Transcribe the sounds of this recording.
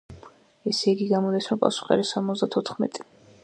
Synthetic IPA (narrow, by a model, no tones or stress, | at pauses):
ɛsiɡiɡamɔd̪ɛsmapʼa̰su̥χɛ̰ɾisamɔzd̪at̪ʰɔt̪ʰχmɛ̰t̪ʼi̥